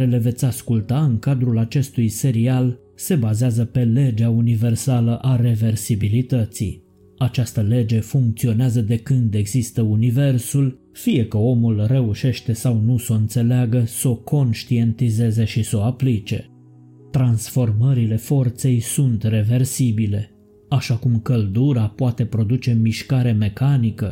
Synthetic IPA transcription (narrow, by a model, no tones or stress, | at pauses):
ɾele̞ve̞t̪sʲaskult̪aɨŋkad̪ɾulat͡ʃe̞st̪ujse̞ɾial | se̞bazeazəpe̞le̞d͡ʒeaunive̞rsaləʔare̞ve̞rsibilit̪ət̪sḭ | at͡ʃast̪əle̞d͡ʒe̞fuŋk̚t̪sio̞neazəd̪e̞kɨnd̪e̞ɡzist̪əunive̞rsul | fije̞kəo̞mulre̞uʃe̞ʃt̪e̞sawnusoɨnt̪se̞leaɡəso̞kʰo̞nʃt̪ie̞nt̪ize̞ze̞ʃiso̞aplit͡ʃe̞ | t̪ɾansfo̞rməɾile̞fo̞rt̪se̞jsunt̪re̞ve̞rsibile̞ | aʃakumkəld̪uɾapoat̪e̞pɾo̞d̪ut͡ʃe̞miʃkaɾe̞me̞kanikə